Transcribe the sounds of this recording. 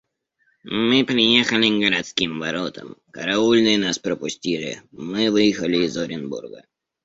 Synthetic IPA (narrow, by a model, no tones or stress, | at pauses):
mɨpɾʲɪjexəlʲɪɡəɾɐt̪skʲimvɐɾot̪ə̰mkə̰ɾaulʲnɨjnaspɾəpʊsʲtʲiʐɪ̰mɨvɨjxəlʲɪːzoɾʲɪnbṵrɡə̰